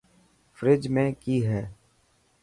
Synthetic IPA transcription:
fɾɪd͡ʒmẽkiːɦɛː

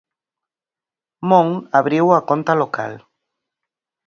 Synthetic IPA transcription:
mõŋaβɾiwakont̪aloka̰l

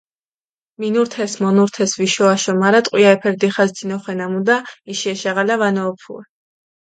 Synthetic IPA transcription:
minuɾt̪ʰɛsmɔnuɾt̪ʰɛsviʃɔaʃɔmaɾat̪ʼqʼwiaɛpʰɛɾd̪iχazd̪inɔχwɛnamud̪aiʃiɛʃaʁalavanɔːpʰṵɛ

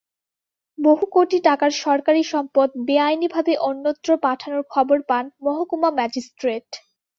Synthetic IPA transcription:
boɦukoʈiʈakaɾʃɔɾkaɾiʃɔmpod̪̚beajnibʱabeʔonːot̪ːɾopaʈʰanoɾkʰɔboɾpanmɔɦokumamɛd͡ʑisʈɾeʈ

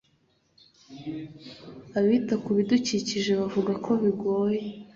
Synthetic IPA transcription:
aβiːtakuβiduciciʒe̞βavuɡakʰo̞βiɡo̞ːje

